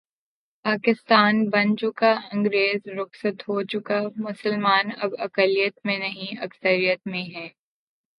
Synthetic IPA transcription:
paːkɪst̪aːnbɐ̃nt͡ʃõkaɐ̃ŋɡɾeːzɾʊxsət̪ɦoːt͡ʃʊkamʊsəlmaːnɐbɐkəlijət̪mẽnɐɦĩɐksəɾijət̪mẽɦɛː

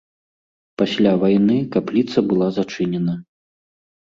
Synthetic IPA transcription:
pasʲlʲavajnɨkaplʲit̪sɐbɨlˠazat͡ʂɨnʲɛnɐ

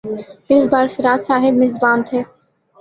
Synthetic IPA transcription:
ɪsbaːɾsɾaːt̪saːɦɪbmɪzbaːnt̪ʰeː

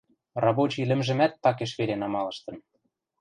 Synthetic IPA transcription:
rɑβot͡ɕilɘ̆mʒɘ̆mæt̪̚pɑk̬eʃβeɾenɑmɑlɤ̆ʃt̪ɤ̆n

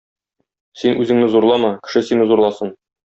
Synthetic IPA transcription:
sinʔʉzɘ̆ŋnɘzuɾlˠɑmɤkɘ̥̆ʃɘsinɘzuɾlˠɑsɤn

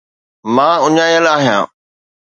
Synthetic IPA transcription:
mãːʊɲaːjəlaːɦjã̰ː

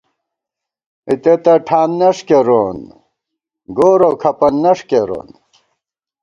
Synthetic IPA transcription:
it̪et̪ɐʈʰaːnːɐʂkeɾoːn | ɡoːɾokʰɐpɐnːɐʂkeɾo̰ːn

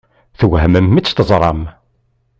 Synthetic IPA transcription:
θwɦəməmːit͡sːt̪əzˤɾˤɑ̰m

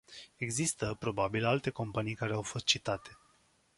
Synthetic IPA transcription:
e̞ɡzist̪əpɾo̞babilalt̪e̞ko̞mpanijkaɾe̞awfo̞st̪̚t͡ʃit̪at̪e̞

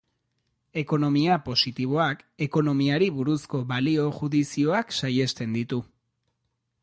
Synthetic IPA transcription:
e̞ko̞no̞miapo̞sit̪iβo̞ake̞ko̞no̞miaɾiβuɾusko̞βalio̞ʝuðisio̞aksaje̞st̪e̞nd̪it̪u

